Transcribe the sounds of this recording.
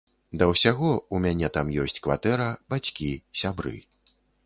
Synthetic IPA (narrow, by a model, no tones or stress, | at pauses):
d̪ɐwsʲaɣɔumʲanʲɛt̪amjɔsʲt͡sʲkva̰t̪ɛɾɐb̥at͡sʲkʲisʲabɾɨ̰